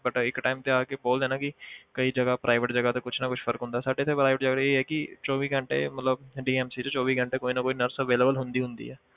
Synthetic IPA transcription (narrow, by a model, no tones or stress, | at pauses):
bəʈɪkʈaːɪmt̪eaːkeboːld̪ẽːnaːkɪkəiːd͡ʒəɡaːpɾaːɪʋəʈd͡ʒəɡat̪eːkʊt͡ʃʰnakʊt͡ʃʰfʰəɾəkɦʊ̃nd̪aːsaːɖet̪ʰepɾaːɪʋəʈd͡ʒəɡaeɦɛːkit͡ʃɔːʋiːɡə̃ɳʈḛːmət̪ləbɖiːɛːmsiːt͡ʃot͡ʃɔːʋiːɡə̃ɳʈeːkoːinakoːinəɾsəʋeːleːbəlɦʊ̃nd̪iːɦʊ̃nd̪ḭːɦɛː